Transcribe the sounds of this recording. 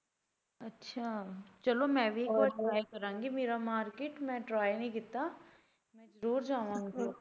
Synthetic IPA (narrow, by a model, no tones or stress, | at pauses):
ɐtːʃʰaːt͡ʃɐlomɛ̃ːʋʱikɔʈɾaːjkɐɾãːŋɡimeːɾamaːɾkeːʈmɛ̃ʈɾaːjnɐĩkɪt̪a | mɛ̃zɐɾuːɾd͡ʒaːʋãːŋɡi